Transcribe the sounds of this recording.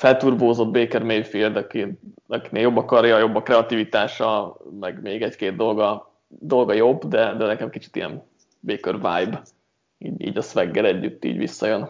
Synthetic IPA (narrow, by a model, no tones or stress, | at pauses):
fɛlt̪uːrboːzo̞d̪̚beːkɛrmeːjfild̪ɒkiɒkineːljo̞bːɒkɒrjɒjo̞bːɒkrɛɒt̪ivit̪aːʃɒmɛɡmeːɡɛckeːd̪̚d̪o̞lɡɒ | d̪o̞lɡɒjo̞bːd̪ɛd̪ɛnɛkɛmkit͡ʃi̥t̪ijɛ̰n | beːkørva̰jb | iːɟḭːɟɒsʋɛɡːɛɾɛɟːyt̪ːḭːɟvḭsːɒjøn